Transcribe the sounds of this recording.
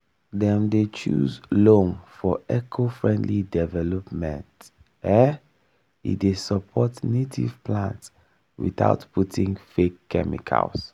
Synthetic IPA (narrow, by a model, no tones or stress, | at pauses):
dɛ̃mdet͡ʃuzlõmfɔɛkʰofɹɛ̃ndlidɛvɛlɔpmɛ̰̃nt | ɛ | ḭdesəpʰɔtnetʰḭv̥pʰlãnts | wḭθa̰ʊtpʰutĩŋfekʰːɛ̰mḭkʰa̰ls